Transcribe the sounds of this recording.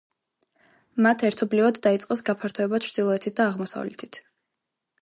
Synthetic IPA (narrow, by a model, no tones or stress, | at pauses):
mat̪ʰɛɾt̪ʰɔblivad̪ːait̪sʼqʼɛsɡapʰaɾt̪ʰɔɛbat͡ʃʰɾd̪̥ilˠɔɛt̪ʰit̪̚d̪aːʁmɔsa̰vlɛ̰t̪ʰi̥t̪ʰ